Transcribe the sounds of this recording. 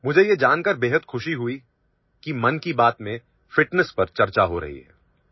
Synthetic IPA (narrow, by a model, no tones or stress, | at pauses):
mʊd͡ʒʱejed͡ʒaːnkɐɾbeːɦəd̪xʊʃiɦʊi | kimɐnkibaːt̪mẽ | fɪʈnəspɐɾt͡ʃɐɾt͡ʃaɦoɾɐ̰ɦḭɦɛ̰ː